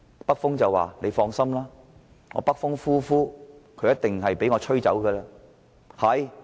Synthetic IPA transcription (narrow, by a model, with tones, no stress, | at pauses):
pɐ˥k̚fʊ˥ŋt͡sɐ˨wa̰ː˨˩nle˨˧jfɔː˧ŋsɐ˥mlaː˥ | ŋɔ̰ː˨˧pɐ˥k̚fʊ˥ŋfuː˥fuː˥kʰɵ˨˧ɥjɐ˥t̪̚ɪ˨ŋɦɐ˨jpe˨˥jŋɔː˨˧t͡ʃʰɵ˥ɥt͡sɐ̰˨˥wkəː˧laː˧ | hɐ˨j